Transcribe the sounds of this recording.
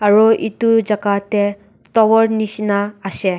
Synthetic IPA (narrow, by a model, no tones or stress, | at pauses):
aɾɔʔitud͡ʒaɡate | tɔwɔɾnisnaːse